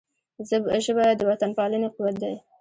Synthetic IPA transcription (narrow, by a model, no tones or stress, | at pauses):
zəbʒəbɑjad̪ːəwat̪anpɑlənequwat̪̚d̪aj